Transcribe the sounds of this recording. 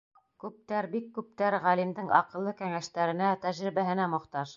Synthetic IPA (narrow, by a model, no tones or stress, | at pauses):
kʉp̚t̪æɾbikːʉp̚t̪æɾʁælimd̪ɘŋɑ̰qɤ̆lˠːɤkæŋæʃt̪æɾɘ̆næt̪æʑɾiβæɦɘ̆næmŏqt̪ɑʃ